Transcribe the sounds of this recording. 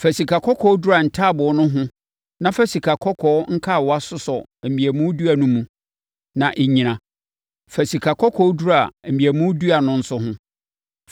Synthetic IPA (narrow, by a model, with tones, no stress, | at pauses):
fæ˨si˨kʰa˨kʰɔ˦kʰɔ˦du˦a˨n̩˨tʰa˦˨bʊ˨˦nʊ̃˦ɦʊ̃˦ | nã˦fæ˦si˨kʰa˨kʰɔ˦kʰɔː˨˦ŋ̩˦kʰa˦˨wa˦sʊ˦sɔ˨m̩˨mĩ˨æ˨mũ˦du˦æ˨nũ˦mũ˨ | nã˨ʔe˨ɲĩ˨nã˨ | fæ˨si˨kʰa˨kʰɔ˦kʰɔ˦du˦ɾa˨m̩˨mĩ˨æ˨mũ˦du˦a˨nʊ̃˦n̩˦sʊ˦hʊ̃˦